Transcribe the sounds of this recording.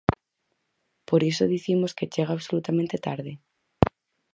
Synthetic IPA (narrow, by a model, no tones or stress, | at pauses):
poɾisoðiθimosket͡ʃeɣ̞aːβsolut̪amẽnt̪et̪aɾðɪ